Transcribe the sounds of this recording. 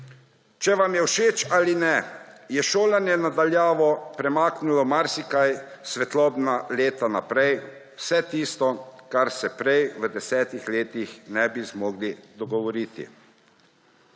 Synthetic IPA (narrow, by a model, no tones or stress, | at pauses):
t͡ʃɛʋamjɛwʃeːt͡ʃaːlinɛjɛʃoːlanjɛnad̪aljaːʋɔpɾɛmaːknulɔmaɾsikajsʋɛt̪lɔːbnaleːt̪anapɾɛjwsɛt̪iːst̪ɔkaɾsɛpɾɛjʋəd̪ɛsɛːt̪ixleːt̪ixnɛbizmɔːɡlid̪ɔɡɔʋɔɾiːt̪ḭ